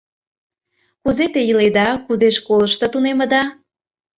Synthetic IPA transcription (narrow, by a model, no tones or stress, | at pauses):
kuzet̪ejəled̪ɑkuzeʃkoləʃt̪ɤ̆t̪unemə̆d̪ɑ